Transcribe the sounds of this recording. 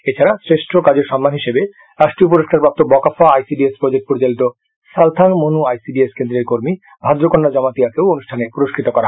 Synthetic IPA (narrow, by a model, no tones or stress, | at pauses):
et͡ɕʰaɾasɾeʃʈʰokad͡ʑeɾʃɔmːanɦiʃebe | ɾaʃʈɾiop̬uɾoʃkaɾpɾap̚t̪obɔkafaajsiɖiespɾod͡ʑek̚ʈ̚poɾit͡ɕalit̪o | ʃalt̪ʰaŋmonuajsiɖieskend̪ɾeɾkoɾmi | bʱad̪ɾokonːad͡ʑɔmat̪iakewonuʃʈʰanepuɾoʃkʰɾit̪okɔɾaɦ